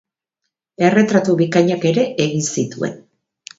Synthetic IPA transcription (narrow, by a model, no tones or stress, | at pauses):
e̞re̞t̪ɾat̪uβikaɲake̞ɾe̞ʔeɣinsit̪ue̞̰n